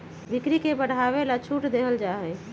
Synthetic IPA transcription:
bikɾikebəɽ̤ʱaʋelat͡ʃʰuʈd̪eɦəld͡ʒaɦɛ

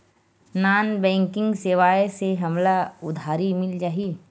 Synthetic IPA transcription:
naːnbɛ̃ːŋkɪ̃ŋɡseːʋaːjeseɦɐmlaʊd̪ʱaːɾimɪld͡ʒaːɦiː

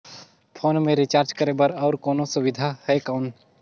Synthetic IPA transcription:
pʰoːnmẽɾit͡ʃaːɾt͡ʃkəɾebəɾɔːɾkoːnosʊʋɪd̪ʱahɛkaʊn

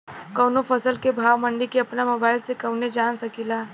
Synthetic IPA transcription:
kɐwnofʰɐsəlkebʱaːʋmə̃ɳɖikeɐpnamoːbaːɪlsekɐʊned͡ʒaːnsɐkilaː

